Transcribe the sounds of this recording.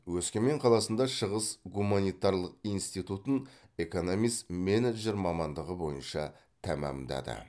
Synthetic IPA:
wɵskʲeme̞ɴqʰɑlˠɑsənd̪ɑʃəʁəsɡumɑnijt̪ɑɾlˠəq̚ijnst̪ijt̪ut̪əne̞ko̞no̞mijst̪me̞neʒe̞ɾmɑmɑnd̪əʁəbo̞jənʃɑ | t̪ʰæmɑ̰md̪ɑ̰d̪ə̰

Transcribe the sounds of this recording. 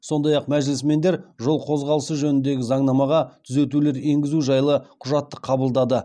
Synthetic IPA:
so̞nd̪ɑjɑqmæʒɪlɪsme̞nd̪e̞ɾʒo̞lˠqʰo̞zʁɑlˠəsəʒɵnɪnd̪e̞ɡʲɪzɑɴnɑmɑʁɑt̪ʰʏze̞t̪ule̞ɾe̞ŋɡʲɪzuʒɑjlˠəqʰʊʒɑt̪ːəqʰɑbəlˠd̪ɑd̪ə

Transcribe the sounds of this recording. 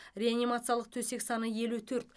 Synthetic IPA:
rʲe̞animat̪sɨjalˠəq̚t̪ʰɵse̞ksɑnəje̞lut̪ʰɵɾt̪

